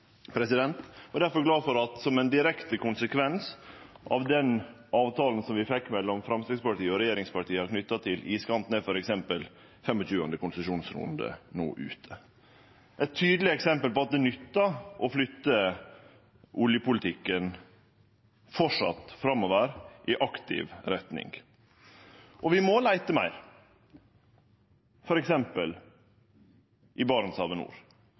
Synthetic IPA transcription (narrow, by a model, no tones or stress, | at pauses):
pʰɾɛsɪd̪ɛnt̪ɔd̪æɾfɔɾɡlɑːfɔɾɑt̪sɔmɛnd̪ɪɾɛkt̪əkʰʊnsəkʰʋɛns | ʔɑ̰ʋd̪ɛn | ɑːʋt̪ʰɑːln̩sɔmʋɪfɛkːmɛlːɔmfɾɑmst̪ɾɪɡspɑʈiːəɔɾɛjeːɾɪŋspɑʈiːəɑɾkʰnʏt̪ːɑt̪ʰɪliːskɑnt̪nɛfɔɾɛksɛmpəl | fɛmɔt͡ʃʉːɑ̰nd̪əkʊnsəʂuːnsɾṵːənd̪ə̰no̰ːʔʉ̰ːt̪ʰə | ʔɛt̪ʰːyːd̪lɪəɛksɛmpəlpɔɑt̪̚d̪ɛnʏt̪ːɑʔɔflʏt̪ːə | ʔʊljəpʊlɪt̪ʰɪkːən | fɔʂɑ̰t̪fɾɑmːɔʋəɾʔɪʔɑkt̪ɪ̰ʋɾɛt̪nɪ̰ŋɡ | ʔɔʋɪmɔlæɪt̪əmæ̰ɪɾ | fɔɾɛksɛmpəl | ʔɪbɑɾnsɑʋənṵːɾ